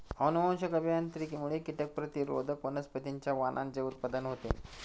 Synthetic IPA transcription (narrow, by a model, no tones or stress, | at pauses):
ənumə̃wɕəkəbjant̪ɾikimuɭekiʈ̪ək̚pɾət̪iɾo̰d̪ʱəkmənəspət̪iɲt͡ɕjaʋanʔã̰nd͡ʑeut̪̚pad̪ənɦot̪ḛ